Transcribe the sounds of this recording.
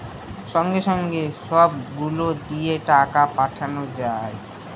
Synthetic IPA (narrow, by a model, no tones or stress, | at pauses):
ʃɔŋɡeʃɔŋɡeʃɔbɡulod̪ijeʈakapaʈʰanod͡ʑae